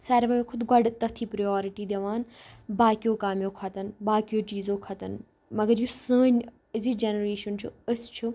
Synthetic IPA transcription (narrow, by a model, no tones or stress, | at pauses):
saːɾʋɐjõkʰʊd̪ɡɐɖt̪ːɐt̪ʰiːpɾɐjoːɾiʈiːd̪eʋaːnbaːkijõkaːmjõkʰɐt̪ɐnbaːkijoːt͡ʃiːzõːkʰɐt̪ɐn | mɐɡɐɾjusəːnʲ | əzid͡ʒenɐɾeːʃɐnt͡ʃʰuɐst͡ʃʰu